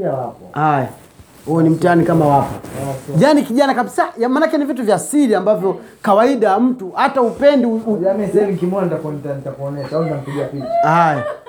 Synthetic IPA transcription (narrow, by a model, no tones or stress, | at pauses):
awapɔhaja | huɛnim̩taanikamawapɔ̰aʄanikiʄanakaɓisajamanakɛnivituvjaːsiɾiambavjɔkawaiɗawam̩tuhataupɛndiuamisaɛviŋkimɔantakɔnitanitakɔnɛʃauzam̩ipiɡiapilaaja